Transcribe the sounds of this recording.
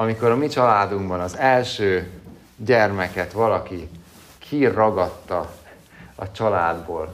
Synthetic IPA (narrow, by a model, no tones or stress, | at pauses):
ɒmiko̞ɾɒmit͡ʃɒlaːd̪uŋbɒnɒzɛlʃøː | ɟɛrmɛkɛt̪ʋɒlɒki | kʰirːɒɡɒt̪ːɒ | ɒ̰t͡ʃɒlaːd̪boːl